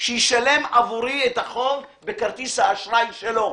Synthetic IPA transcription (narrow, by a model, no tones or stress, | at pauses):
ʃejiʃale̞mavuʁiet̪aχo̞v | bekaʁt̪ishaːʃʁaimʃelo̞